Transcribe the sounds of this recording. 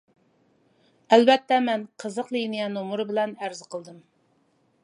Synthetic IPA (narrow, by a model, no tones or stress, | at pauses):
ælbɛt̪ʰːɛmɛnqʰəzəqlinijɛnomuɾɨbɪlɛnæɾzɨqʰəlˠd̪ɨm